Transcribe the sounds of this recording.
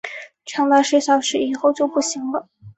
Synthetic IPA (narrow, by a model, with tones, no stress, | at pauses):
ʈ͡ʂʰɑ˥ŋla˥ʂe˥˧ɪɕɑ˥˩ʊʂɻ̩˥˩i˨˩xo˥˧ʊt͡ɕjo˥˧ʊpu˥˩ɕi˧˥ŋlə˧